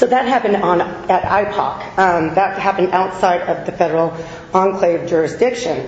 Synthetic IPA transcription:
soʊðɨt̚ɦæpɨ̃ndn̩ɨɾa̰ɪpʰɑ̰k | ðət̚ɦæpɨ̃n̩daʊtsaɪɾʌvðɨfɛɾə˞l̩ˠ | ɑ̃nkʰl̥eɪvd͡ʒʊɹɨsd̥ɪkʃɨ̃n

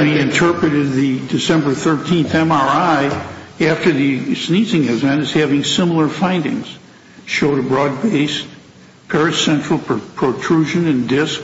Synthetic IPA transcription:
niɨ̃ntʰɜ˞pɹɨɾɨd̪̚ðɨdɨsɛ̃mbə˞θɜ˞tʰĩnθɛ̃mɑɹaɪæftə˞ðɨsnizɪ̃ŋɨzɛ̃ñɨz̥hævɪ̃ŋsɪ̃ml̩ˠə˞fãɪ̃ndɪ̰̃ŋz̥ | ʃoʊɾɨbɹɔd̚beɪs | pʰɛɹɨsɛ̃nt͡ʃɹ̥l̩ˠpʰəpʰɹ̥otʰɹ̥uʒɨ̃nɨ̃ndɪsk

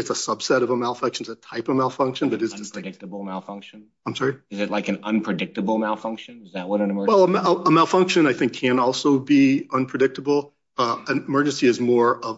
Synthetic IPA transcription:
ɨtsəsʌb̥sɛɾʌvəmalˠfʌ̃ŋkʃɨ̃nzɨtʰaɪpʌmaɪlˠfʌ̃ŋkʃɨ̃nbʌɾɨzɹdɪk̚təbl̩ˠmaɪlˠfʌ̃ŋkʃɨ̃n | ãɪ̃msɑɹiɨzɨtˡlaɪkɨ̃nʌ̃npʰɹ̥ɨdɪk̚tɨbl̩ˠmaɪlˠfʌ̃ŋkʃɨ̃nzðət̚wʌɾ̃nəmɜ˞wɛlˠəəmaɪlˠfʌ̃ŋkʃɨ̃naɪθɪ̃ŋkʰɨ̃nɔlˠsoʊbiʌ̃npʰɹ̥ɨdɪk̚təbl̩ˠ | ʌɨmɜ˞d͡ʒɨ̃nsiɨzmɔɹʌv

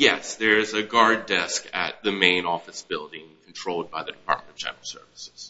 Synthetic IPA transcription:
jɛsðə˞ɨzɨɡɑɹdɛskɨ̰t̪̚ðɨmẽɪ̃nɔfɨsb̥ɪlˠdɪ̃ŋkʰn̩tʰɹ̥oʊlˠd̚baɪðɨdɨpʰɑ̰ɹt̚mə̃nʌv̥d͡ʒɛ̰̃nəɹl̩ˠsɜ̰˞vəsɪz̥

